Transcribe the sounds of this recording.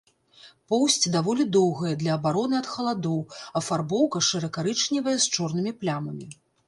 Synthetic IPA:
pɔwsʲt͡sʲd̪avɔlʲid̪ɔwɣɐjɛd̪lʲɐːbaɾɔnɨɐt̪xɐlˠad̪ɔwɐfarbɔwkɐʂɨɾɐkaɾɨt͡ʂnʲivɐjɛst͡ʂɔrnɨmʲiplʲamɐmʲi

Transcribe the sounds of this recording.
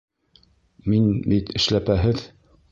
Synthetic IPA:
minbit̪ɘ̆ʃlæpæɦɘð

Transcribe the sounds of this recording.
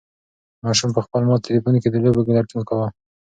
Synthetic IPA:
mɑʃumpəxpəlmɑt̪ɪlifunked̪əlobeɡalaʈunkawa

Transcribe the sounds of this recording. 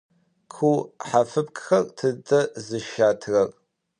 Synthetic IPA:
kʷʰuːħafɨp̚kʰʼxɐrtʰɨdɐzɨʃaːtʰrɐr

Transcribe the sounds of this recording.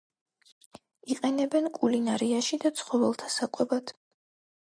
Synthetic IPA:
iqʼɛnɛbɛnkʼulinaɾiaʃid̪at̪sʰχɔvɛlˠt̪ʰasakʼwɛbad̪̥

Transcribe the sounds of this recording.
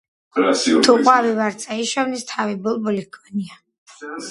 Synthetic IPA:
t̪ʰuqʼwavivaɾt̪sʼaiʃɔvnist̪ʰavibɔlˠbɔlikʰʼɔnia

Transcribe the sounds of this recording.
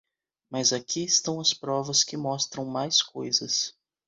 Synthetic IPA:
mɐzakʰiɪst̪ɐ̃w̃ɐspɾɔvɐskɪmɔst̪ɾɐ̃w̃majskojzɐs

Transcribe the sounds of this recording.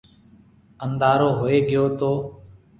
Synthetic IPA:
ənd̪aːɾoːɦoːeːɠɪjoːt̪oː

